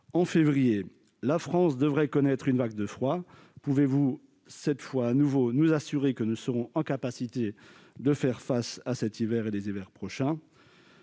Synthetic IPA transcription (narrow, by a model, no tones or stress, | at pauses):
ɑ̃fevʁije | lafχɑ̃sd̪əvʁɛkɔnɛt̪χynvaɡd̪əfχwa | puvevu | sɛt̪fwaːnuvonuzasyʁekənusəʁɔ̃ʔɑ̃kapasit̪e | d̪əfɛʁfasasɛt̪ivɛʁelezivɛʁpχɔʃɛ̃